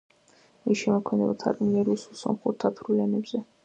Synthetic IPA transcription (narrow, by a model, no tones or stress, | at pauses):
isʃɛmɔkʰmɛd̪ɛbat̪ʰa̰ɾʼniɛɾususɔ̰mχuɾt̪ʰat̪ʰɾulɛnɛbz̥ɛ